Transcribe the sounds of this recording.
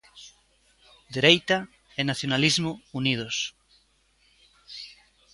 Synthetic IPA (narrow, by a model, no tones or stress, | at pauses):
d̪eɾejt̪ɐ | ɛnaθjonalizmʊunið̞ʊs